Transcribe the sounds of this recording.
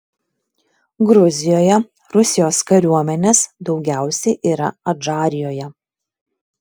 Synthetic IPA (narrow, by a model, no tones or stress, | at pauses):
ɡɾʊzʲɪjoːjɛ | ɾʊsʲɪjoːskɐɾʲuɔmʲɛnʲeːsd̪ɒʊɡʲæˑʊsʲɛɪʔiːɾɐɐd͡ʒɑːɾʲɪjoːjɛ